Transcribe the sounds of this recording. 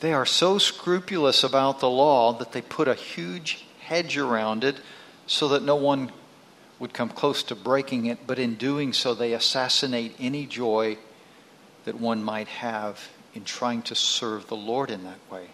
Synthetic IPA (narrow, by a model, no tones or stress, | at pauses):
ðeɪə˞soʊskɹʉpjl̩ˠəsəbaʊt̪̚ðəlɔðɨt̪̚ðeɪpʰʊɾɨhjʉ̥ʒ̥hɛd͡ʒə˞ãʊ̃ndɨt̚ | soʊðɨtⁿnoʊwʌ̃n | wəd̚kʰʌ̃mkʰl̥oʊstʰɨbɹeɪkɪ̃ŋɪt̚b̥ʌɾɨ̃ndʉɪ̃ŋsoʊðeɪɨsæsɨneɪɾɛnid͡ʒɔɪ | ðɨt̚wʌ̃nmaɪt̚hɨv | ɨ̃ntʰɹ̥aɪɪ̃ŋtʰɨsɜ˞vðəlɔɹɾɨ̃nðɨt̚weɪ